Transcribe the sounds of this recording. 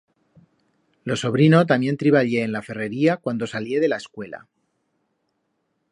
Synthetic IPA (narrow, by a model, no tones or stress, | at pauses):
lo̞so̞βɾino̞t̪amjent̪ɾiβaʎe̞ːnlafe̞re̞ɾiakwand̪o̞salje̞ðe̞laeskwe̞la̰